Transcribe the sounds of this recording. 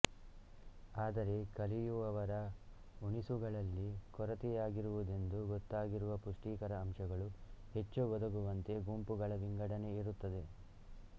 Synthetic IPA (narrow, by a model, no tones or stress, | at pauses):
aːd̪ɐɾe̞kɐlijuɐʋɐɾɐ | uɳisuɡɐɭɐlːikɔɾɐt̪ijaːɡiɾuʋud̪e̞nd̪uɡɔt̪ːaːɡiɾuʋɐpuʂʈiːkɐɾɐːmʂɐɡɐɭuhe̞t͡ʃːuɡɔd̪ɐɡuʋɐnt̪e̞ɡumpuɡɐɭɐʋiŋɡɐɽɐne̞iɾut̪ːɐd̪e̞